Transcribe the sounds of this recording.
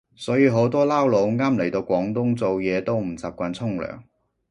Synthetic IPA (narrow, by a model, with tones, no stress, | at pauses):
sɔː˨˥jiː˨˧ɦo˨˥wt̪ɔː˥laː˥wlo˨˧wŋaː˥mle˨˩jt̪o˧wkʷɔː˨˥ŋt̪ʊ˥ŋt͡so˨wjɛː˨˧t̪o˥wm̩˨˩t͡saː˨˧p̚kʷaː˧nt͡sʰʊ˥ŋlœ̰ː˨˩ŋ